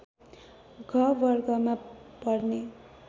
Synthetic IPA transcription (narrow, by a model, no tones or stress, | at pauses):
ɡʱʌbʌrɡʌmapʌrne